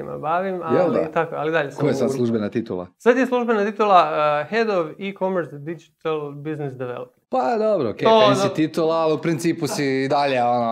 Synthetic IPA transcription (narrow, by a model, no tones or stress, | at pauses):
ima̰baːʋimajeld̪a̰t̪akoalid̪aʎesakojesad̪slˠuʒbenat̪it̪ṵlˠa̰sad̪jeslˠuʒbe̞nat̪it̪ulˠahed̪oʋikomeɾsd̪id͡ʒit̪alˠbiznisd̪eʋḛloppad̪obɾookʲeosit̪it̪ulˠaaliupɾint̪siːpusiːd̪aʎeono